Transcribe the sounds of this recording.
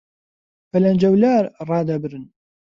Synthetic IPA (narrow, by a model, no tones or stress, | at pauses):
fælænd͡ʒæwlæɾrˤːɑd̪æbɾən